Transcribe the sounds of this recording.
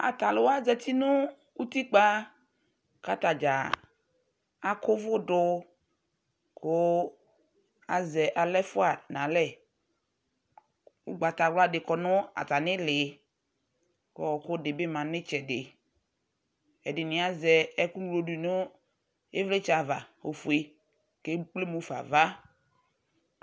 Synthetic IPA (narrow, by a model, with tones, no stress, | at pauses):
a̰˨ta˨lʊ˨wa˦zɛ˨t̪i˦nʊ˦ | u˦t̪i˦k͡pa˦ | ka˦ta˨d͡ʒa˨ | a˨˦kʊ˦vʊ˦dʊ˦ | kʊ˦ | a˨zɛ˨ʔa˨lɛ˦fʊ˦a˨nã˨lɛ˦ | ʊ˦ɡ͡ba˨ta˨wla˦˨dɪ˨kɔ˨nʊ˦a̰˨ta˨nɪ̃˦lɪ˨ | kɔ˨˦ɔ˨kʊ˦dɪ˨bɪ˦˨mã˨nɪ˦t͡ʃɛ˨dɪ˨ | ɛ˨dɪ˨nɪ̃˨˦a˦zɛ˨ɛ˦ku˦ɡlo˨du˨nʊ˦ | e˦vle˦t͡ʃa˨va˨o˨fu˨e˨ | ke˦k͡ple˦mũ˨˦fa̰˨va˦